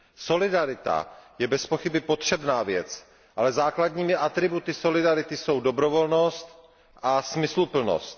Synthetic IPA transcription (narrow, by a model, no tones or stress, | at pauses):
so̞lɪdaɾɪt̪a̰jɛbɛspo̞xɪbɪpo̞t̪r̝̥ɛbnaːvjɛt͡s | ʔalɛzaːkladɲiːmɪʔat̪ɾɪbut̪ɪso̞lɪdaɾɪt̪ɪso̞wdo̞bɾovo̞lno̞st̪ | ʔasmɪslupl̩no̰st̪